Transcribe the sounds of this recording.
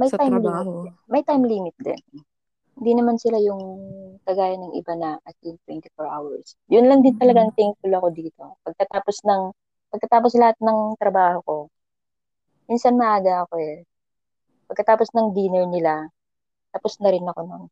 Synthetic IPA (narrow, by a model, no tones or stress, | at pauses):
mɐj̪ajmlːmɪmɐjt̪ajmliːmɪt̪̚d̪ɛ̰n | hɪnd̪inɐmansɪlajʊŋkɐɡaːjɐnːɐŋʔɪ̰banɐʔɐt̪̚jʊŋt̪wɛnt̪ɪfoɹʔa̰wɐ̰ɹs | jʊnlɐŋd̪ɪnt̪ɐlɐɡaŋt̪ɛjŋ̚fʊlɐko̞d̪iːt̪o̞pɐɡ̚kɐt̪aːpo̞snɐŋ | pɐɡ̚kɐt̪aːposlɐhat̪̚nɐŋt̪ɾɐbaːho̞ko̞ | minsɐnmɐʔaːɡɐɐko̞ɛ | pɐɡ̚kɐt̪aːposnɐŋd̪iːnɛɹnɪla | t̪ɐposnɐɾɪnɐko̞non